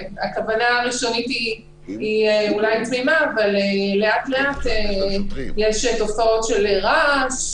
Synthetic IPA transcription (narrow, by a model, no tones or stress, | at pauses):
akavanaːʁiʃo̞nitiː | eulajtmimaːvalele̞atle̞ate | jeʃto̞fao̞tʃe̞leʁas